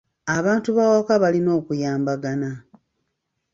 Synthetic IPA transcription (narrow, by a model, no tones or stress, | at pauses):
aβaːntuβawakaβalino̞ːkujaːmbaɡana